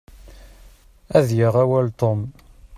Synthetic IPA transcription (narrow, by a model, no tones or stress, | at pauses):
æðjəʁæwælt̪om